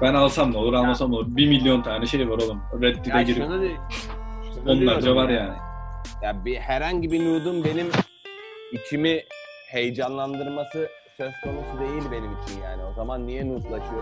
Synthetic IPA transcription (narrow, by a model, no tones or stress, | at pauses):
bænalˠsamˠolˠuɾalˠmasamolˠubimilʲːjont̪ʰaːnɛʃe̞jvaɾolˠumɾɛd̪̚ːiɛɟiɾad̪e | o̞nlˠaɾd͡ʒavaɾjaːnɪjabihæɾhaɲɟibinuːd̪umbe̞nim | icʰimi | he̞jd͡ʒanlˠand̪ɯɾmasɯ | sø̞z̥kʰo̞nusud̪e̞jilʲbe̞nimit͡ʃʰinja̰ːnio̞zamanːijɛnuːt̪lˠaʃɯjoɾm